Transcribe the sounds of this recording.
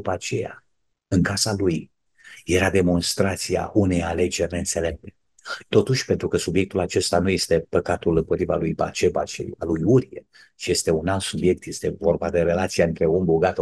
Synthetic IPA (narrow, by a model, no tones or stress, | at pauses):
upat͡ʃe̞ja̰ | ɨŋkasaluj | je̞ɾad̪e̞mo̞nst̪ɾat̪sia̰ʔune̞jale̞d͡ʒe̞rʲneɨnse̞le̞p̚t̪e | t̪o̞t̪uʃʲpe̞nt̪ɾukəsubje̞k̚t̪ulat͡ʃe̞st̪anuje̞st̪e̞pəkat̪ulɨmpo̞t̪ɾivalujba̰t͡ʃe̞ba̰t͡ʃḛja̰lujuɾie | t͡ʃije̞st̪e̞unalt̪subje̞k̚t̪je̞st̪e̞vo̞rbad̪e̞ɾe̞lat̪siaɨnt̪ɾe̞umbuɡat̪